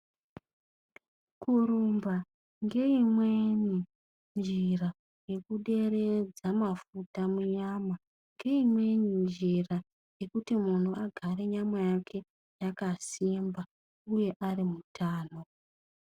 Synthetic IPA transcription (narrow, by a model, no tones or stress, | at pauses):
kuɾumba | ŋɡe̞imwe̞ni | nd͡ʒira | je̞kuɗe̞re̞d͡zamafutamuɲaːma | ŋɡe̞imwe̞ɲind͡ʒira | je̞kutimun̤uaɡʱaɾe̞ɲamwejakʰe̞ | jakasimba | uje̞ʔarimutʰaːno̞